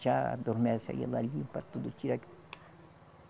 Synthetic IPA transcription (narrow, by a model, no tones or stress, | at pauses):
t͡ʃad̪oɾmeɾsa̰ɡḛlaʎipat̪ud̪ut͡ʃiɾak